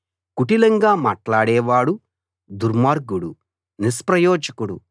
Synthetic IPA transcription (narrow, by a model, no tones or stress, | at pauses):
kuʈilɐŋɡaːma̰ːʈlaːɽɛːʋaːɽu | d̪uɾmaːɾɡuɽṵ | nispɾɐjɔːd͡ʒɐkuɽṵ